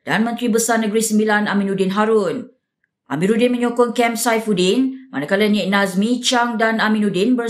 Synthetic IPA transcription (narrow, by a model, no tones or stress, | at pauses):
d̥anmə̃nt̪ɾibəsarnə̃ɡɾisəmbilanamĩnudɪnɦaɾʊn | ʔamĩɾudɪnmə̃ɲokɔŋkɛmsajfudɪnmanakalaniʔnasmĩt͡ʃaŋdanamĩnudɪnbə